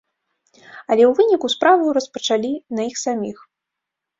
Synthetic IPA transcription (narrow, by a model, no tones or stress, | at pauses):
ɐlʲɛwvɨnʲikuspɾavɐwrɐspɐt͡ʂalʲinɐixsamʲix